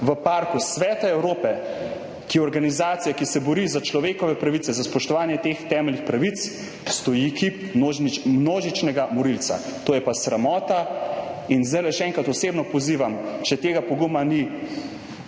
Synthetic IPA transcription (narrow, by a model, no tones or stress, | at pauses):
ʋəpaɾkusʋɛːt̪aɛwɾoːpɛ | kijɛɔɾɡanizaːt̪sijakisɛbɔɾizat͡ʃlɔʋeːkɔʋɛpɾaʋit̪sɛzaspɔʃt̪ɔʋaːnjɛt̪ext̪ɛːmɛlnixpɾaʋit̪s | st̪ɔjikip | omnoːʒit͡ʃnɛɡamɔɾiltsa̰t̪oːjɛpasɾamɔːt̪a | inzd̪ajlɛʃɛɛ̃ŋkɾat̪ɔseːbnɔpɔziːʋamʃɛt̪eːɡapɔɡumani